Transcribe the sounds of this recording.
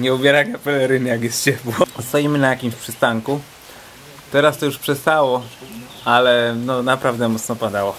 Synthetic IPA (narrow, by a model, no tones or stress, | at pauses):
ɲɛubʲjɛɾakapɛlɛɾɘnjakjɛst̪̚t͡ɕɛpwɔst̪ajimɘnajakʲimɕpʂɘst̪aŋku | t̪ɛɾast̪ɔjuʂpʂɛst̪awɔ | alɛnɔnapɾavd̪ɛmɔt̪snɔpad̪awɔ